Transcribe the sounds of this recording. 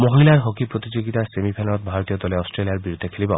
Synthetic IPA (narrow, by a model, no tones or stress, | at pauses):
moɦilaɾɦokipɾot̪id͡ʒoɡit̪asemipʰelɔt̪̚bʱaɾɔt̪ijɔd̪ɔleɔsʈɾeliaɾbiɾud̪ʱekʰelibɔ